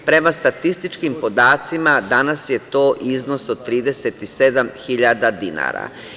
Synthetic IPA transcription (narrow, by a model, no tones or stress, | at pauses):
pɾe̞mast̪at̪ist̪it͡ʃkimpo̞d̪aːt̪simad̪anasje̞t̪oːʔizno̞sod̪̚t̪ːɾiːd̪e̞set̪ised̪amxiʎad̪ad̪ina̰ːɾa̰